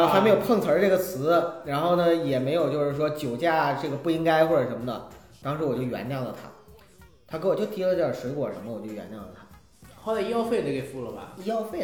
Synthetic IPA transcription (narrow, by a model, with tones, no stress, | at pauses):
o˥˩xme˥jo˨˩ʊpʰɤ˥˩ŋt͡sʰə˞˧˥ʈ͡ʂɤ˥˩ɡə˩t͡sʰɹ̩˧˥ɻa˧˥nxo˥˩ʊnə˩jɛ˨˩me˧˥ɪjo˨˩ʊt͡ɕjo˥˧ʊʂɻ̩˥˩ʂwɔ˥t͡ɕjo˨˩ʊt͡ɕja˥˩ʈ͡ʂɤ˥˩ɡə˩pu˥˩i˥ŋka˥ɪxwɔ˥˩ə˨˩ʂə˧˥nmə˧d̪ə˨˩ | t̪ɑ˥ŋʂɻ̩˧˥wɔ˨˩t͡ɕjo˥˩ʊɥɛ̰˧˥nt̪jɑ˥˩ʊlə˩t̪ʰa̰˥ | t̪ʰa˥kwɔ˨˩t͡ɕjo˥˩ʊt̪ʰi˧˥lə˧ʈ͡ʂjʂwe˧˥kwɔ˨˩ʂə̰˧˥mə˧˩wɔ˨˩t͡ɕjo˥˩ɥɛ̰˧˥nt̪jɑ˥˩lə˨˩t̪ʰa˥ | xɑ˥˧la˥˩ɪi˥jɑ˥ʊfe˥˩jo˥˩ke˨˩fu˥lə˨˩bɐ̰˧i˥ɑ˥˧ʊfe˥˩ɪ